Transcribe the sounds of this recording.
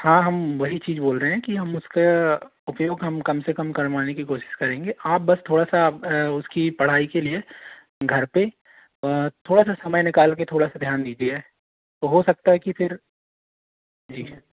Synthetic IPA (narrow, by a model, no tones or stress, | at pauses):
hãːɦɐmʋɐɦit͡ʃiːzboːlɾəɦeɛ̃kiɦɐmʊska | ʊpjoːɡɦɐmkɐmsekɐmkɐɾʋaːnekikoːʃɪ̥ʃkɐɾẽːŋɡeʔaːp̚bɐst̪ʰoːɽasaʊskipɐɽ̤aːikelie | ɡʱɐɾpe | t̪ʰoːɽasasɐməjnɪkaːlket̪ʰoːɽasad̪ʱjaːnd̪iːd͡ʒieɦɛː | t̪oɦosɐk̚t̪aɦɛkifʰɪɾ | d͡ʒiː